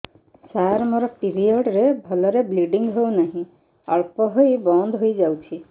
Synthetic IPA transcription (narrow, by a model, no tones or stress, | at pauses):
saɾmɔɾɔpiɾiɔɖɾebʱɔlɔɾebliɖiŋɡɦewnaɦĩ | ɔɭpɔɦojbɔnd̪ʱɦojd͡ʒawt͡ʃʰi